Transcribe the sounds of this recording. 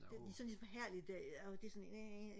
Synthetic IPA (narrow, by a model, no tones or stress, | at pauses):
d̥ed̥isɒnlismfɒ̽ɦæɐ̰lid̥d̥æɐæd̥esɔnee